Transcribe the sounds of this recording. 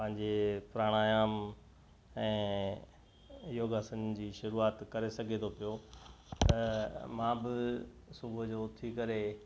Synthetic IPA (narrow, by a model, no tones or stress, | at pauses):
pɐ̃ɦɪ̃ɲd͡ʑepɾaːɽ̃aːjaːm | ɛ̃ː | joːɡaːsənd͡ʑiːʃʊɾuːaːt̪kɐɾesɐɡʱet̪ʰopijo | t̪ɐmãbɪ | sʊbʱʊd͡ʑoːt̪ʰikɐɾe